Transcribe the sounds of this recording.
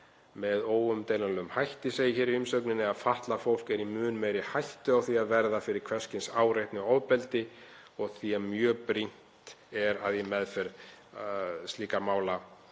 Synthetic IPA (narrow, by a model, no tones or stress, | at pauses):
mɛðoːwʏmt̪ejlalʏmhajht̪ɪseːjɪçɛːɾiʏmsœknɪnɪaðfaht̪lafowl̥kɛɾimʏːnmejɾɪhajht̪ʏawθiaðvɛɾðafɪɾɪɾ̥kʰv̥ɛ̥scɪnsaːwɾejht̪nɪɔwpɛlt̪ɪ | ɔɣθiamjœːpɾin̥t̪ɛɾaðjɛmɛðfɛɾ | st̪liːkamaːwla